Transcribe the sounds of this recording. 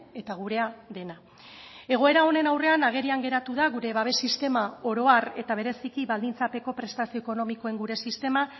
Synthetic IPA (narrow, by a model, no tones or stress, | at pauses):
e̞t̪aɣ̞uɾe̞aðe̞na | e̞ɣ̞o̞e̞ɾao̞ne̞nawre̞anaɣ̞e̞ɾiaŋɡe̞ɾat̪uðaɣuɾe̞βaβ̞e̞sist̪e̞mao̞ɾo̞are̞t̪aβ̞e̞ɾe̞sikiβald̪int͡sape̞ko̞pɾe̞st̪asio̞eko̞no̞miko̞e̞ŋɡuɾe̞sist̪e̞ma